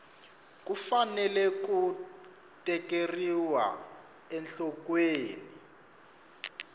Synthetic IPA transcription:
k̬ufanɛlɛku | tʼɛkeriwa̰ | ɛnɬɔkweːni

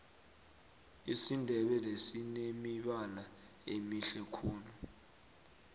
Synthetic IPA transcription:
isindʱɛɓɛlesinemiɓana | emiɬɛkʰuːlu

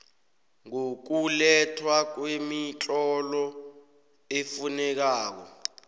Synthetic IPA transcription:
ŋuk̬ulɛtʰwak̬wemit͡ɬʼɔlɔ | efunɛk̬aːk̬ɔ̰

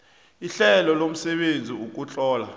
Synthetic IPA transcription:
iɬɛlɔlom̩sɛɓend͡zʱiuk̬ʼut͡ɬʼɔːla

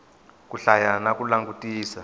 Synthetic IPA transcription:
k̬ʼuɬajanak̬ʼulaŋɡutʼiːsa

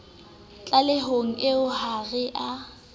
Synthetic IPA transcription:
t͡ɬʼalɪɦoŋ̩ʔɪʊhaɣɪʔa

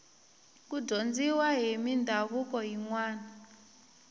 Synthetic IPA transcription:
k̬udond͡ziwaɦimindʱaβukɔɦiŋwaːna

